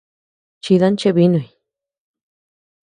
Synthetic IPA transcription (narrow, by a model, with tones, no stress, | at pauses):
t͡ʃi˧ða˦nt͡ʃe˦˧βi˦nũ˧˨i˨˧